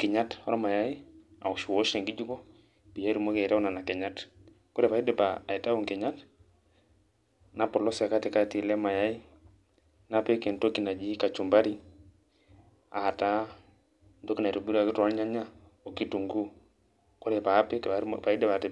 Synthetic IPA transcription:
kɪ˨ɲa˦tɔ̰˦ɾɔ˦ma˨ja˦i˦ | a̰˨u˨ʃu˨wɔ˦ʃɛ˨ŋɡi˦d͡ʒu˦kɔ˦ | pi˨ja˦ɾu˨mo˦kɛ˨ɾɛ˦ɔ˦na˨na˨kɛ˨ɲa˦t | kɔ˦ɾɛ˨pa˨i˦dɛ˨paː˨i˨ta˦u˦˨ŋkɛ˨ɲa˦t | na˦pɔ˨lɔ˦sa˨ka˦te˨ka˦ti˨lɛ˦ma˨ja˦i˦ | na˦pɛ˦kɛ˨nto˦ki˦na˨d͡ʒi˦ka˨t͡ʃu˨mba˦ɾi˦ | a˨ta˦ | ndo˦ki˦na˨ɾo˨bu˦ɾa˨kɪ˦ta˦lɲa˦ɲa˦ | o˨ki˦tu˨ŋɡu˦ | kɔ˦ɾɛ˨pa˨˦pɛ˦kpa˨i˦dɛ˨pa˨tɛ˨

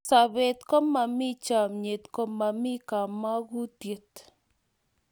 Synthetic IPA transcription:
sa˨βe˨t̪kɔ˦ma˨mi˦t͡ʃa˨mɲe˨t̪kɔ˦ma˨mi˦ka˨ma˦ɣu˦t̪je˨t̪

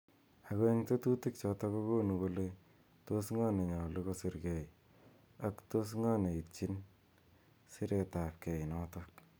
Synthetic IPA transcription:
a˨ko˦e˦ŋte˦tu˦ti˦k̚t͡ʃɔ˧ta˦ko˦ko˦nu˨ko˧le˦ | to˦sŋa˦ne˨ɲɔ˨luko˦si˦ɾkɛ˨i | a˦ktos̬ŋa˦ne˨i˨t͡ʃi˦n | si˦ɾʔe˨ta˨p̚kɛ˨i˨nɔtɔk

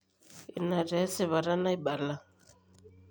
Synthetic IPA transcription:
ḭ˨na˨ɾɛ˨˦si˨βa˨ɾa˦na˦i˦ba˨la˦˨

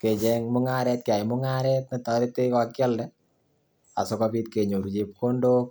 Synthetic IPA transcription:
ke˨t͡ʃɛŋmʊ˦ŋaɾɛ˦t̚ke˨a˨jmʊ˦ŋaɾɛt̚ne˨tɔ˦ɾe˦te˦kakjɔ˦ldɛ | a̰˨sokɔpi˦t̚ke˨ɲo˨ɾut͡ʃe˨p̚ko˦ndo˦k̚

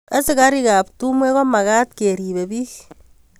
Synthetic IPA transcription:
a˦sɪ˦ka˦ɾi˦ka˨p̚tu˦mwe˦kɔ˦ma˨ka˦tke˨ɾi˨be˨biː˦

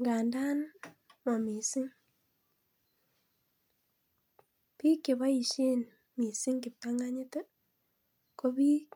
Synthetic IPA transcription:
ŋɡa˨nda˦nma˨mi˨si˦ŋ | pi˦kːɪ˨βa˦i˨ʃje˦n | mi˨si˦ŋkɪ˨p̚ta˦ŋa˦ɲɪ˦te˦ | ko˦bi˦

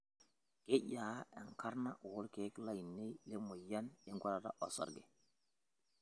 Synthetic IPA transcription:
ke˦ɟa˨˦ɛ˨ŋkʰa˦ɾna˦˨wɔ˦lkɛ˨˦kla˦˨ji˨nːe˦jlɛ˦mɔ˨ja˦njɛ˦ŋɡʷa˦ɾa˨ɾa̰ʔɔ˨sɔ̰˨ɾɡɛ̰˨

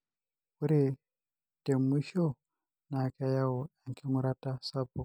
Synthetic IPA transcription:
uɾe˦ | te˨mi˦ʃo˦ | na˨ka˦ja˦wo˨a˨ŋkʰe˦mu˦ɾa˦ta˦sa˦bo˨

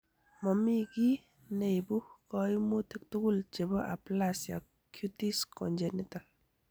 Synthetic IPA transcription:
mɔ˨mi˦ɡi˦ | ne˨jbu˦hkɔ˨jmu˦t̪ʰe˨k̚t̪u˦ɡult͡ʃe˨bɔ˦ʔa̰˨plasja̰ | kʰːjutiskɔnd͡ʒɛnital

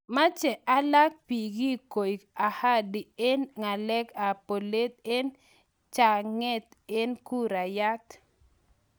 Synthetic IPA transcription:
ma˦t͡ʃɛ˨ʔa˦la˦k̚pi˨ɡi˦ko˨ja˨ha˦di˨e˦nŋa˨lɛ˦ka˨po˨le˦t̪̚e˦n | t͡ʃa˨ŋɛ˦t̪e˦nku˦ɾa˨ja˦t̪

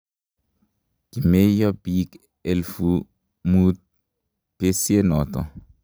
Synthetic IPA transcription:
ɡ̥i˨me˦jɔ˦bi˦k | e˨lfu | mu˦t̪̚ | b̥e˦sie˦nɔ˨t̪ɔ̰˨

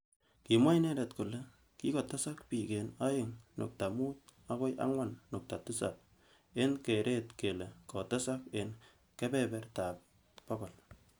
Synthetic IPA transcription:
ki˨mwa˦jne˦ɾe˨tkʊ˨le | kikota˦sa˦kpi˨kena˦jɪŋnʊ̰˨k̚ta˨mu˦t̚a˦ko˦jʔa̰˦ŋwanːʊ˨k̚ta˨tʊ˦sa̰p̚ | e˦nkeɾʔetke˨lekɔta˦saken | kebɛbɛrta˨p̚ | pɔkɔ˨l

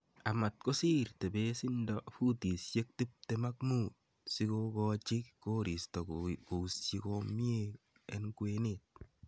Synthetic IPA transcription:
a˨ma˨t̚ko˦si˦rte˨be˦si˦ndɔfu˦ti˨sje˦k̚ti˦p̚te˦ma˦k̚mu˦t̚ | si˦kokɔt͡ʃɪ˦kko˦ɾi˨stɔ˨ko˨ust͡ʃi˦komi˦e | ḛ˦nkwenet̚

